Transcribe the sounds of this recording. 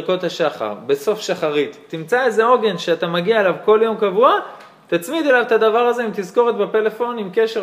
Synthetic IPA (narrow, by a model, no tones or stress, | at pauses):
ko̞t̪haʃaχa̰ʁbe̞so̞fʃaχaʁit̪ːimt͡saeze̞o̞ɡe̞nʃeat̪amaɡiaelavko̞ljo̞mkavua | t̪at͡smid̪elavt̪ad̪avaʁaze̞imt̪izko̞ʁet̪bepe̞le̞fo̞nimke̞ʃe